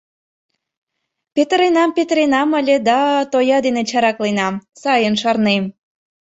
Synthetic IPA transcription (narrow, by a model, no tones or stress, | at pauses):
pʲet̪əɾenɑmpet̪ɾenɑməlʲed̪ɑt̪ojɑd̪enet͡ɕɑɾɑklenɑmsɑjənʃɑrnem